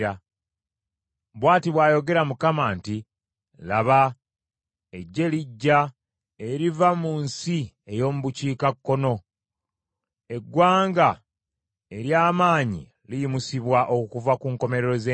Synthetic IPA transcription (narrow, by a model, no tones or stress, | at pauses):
a | βwaːtiβwaːjo̞ɡe̞ɾamukamanti | laβa | eɟːe̞liɟːa | eɾivamuːnsi | e̞jo̞ːmuβuciːkakːo̞no̞ | e̞ɡwaːŋɡa | e̞ɾjaːmaːɲḭ | lijimusiβwaʔo̞kkuvakuːŋko̞me̞ɾeɾo̞ze